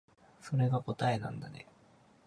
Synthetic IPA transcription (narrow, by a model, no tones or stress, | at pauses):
so̞ɾe̞ɡako̞t̪ae̞nã̰nd̪anḛ